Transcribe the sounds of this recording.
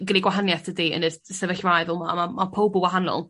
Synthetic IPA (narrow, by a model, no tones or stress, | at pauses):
ɡəniɡwaɦanjaθʰədiə̰nəsɛvəɬvajvɛlˠmamamapʰowbʊwaɦanɔ̰lˠ